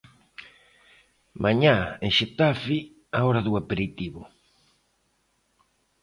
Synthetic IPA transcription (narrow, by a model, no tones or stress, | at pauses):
mʔaɲaeŋʃet̪afi | aoɾaðuapeɾit̪iβʊ̰